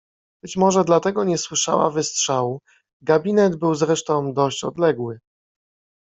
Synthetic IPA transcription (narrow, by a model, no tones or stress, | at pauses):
b̥ɘt͡ɕmɔʐɛd̪lat̪ɛɡɔɲɛswɘʂa̰wa̰vɘstʂawu | ɡabʲinɛd̪bɘwzɾɛʂt̪ɔ̃w̃d̪ɔɕt͡ɕɔ̰d̪lɛɡwɘ